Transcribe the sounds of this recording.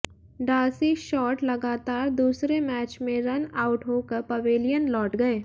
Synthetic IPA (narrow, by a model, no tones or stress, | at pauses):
ɖaːsiʃɔːʈlɐɡaːt̪aːɾd̪uːsɾemɛːt͡ʃmẽɾɐnaːʊʈɦoːkəɾpɐʋeːlijənlɔːʈɡɐeː